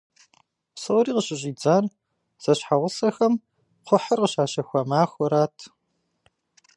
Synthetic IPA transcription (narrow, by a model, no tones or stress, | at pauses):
soriːqəɕʼɪɕʼiːd͡zaːr | z̥ɐɕħaʁʷʊsɐxɐm | qʷʊħɐrqəɕaːʃɐxʷɐmaːxʷɔɾaːtʰ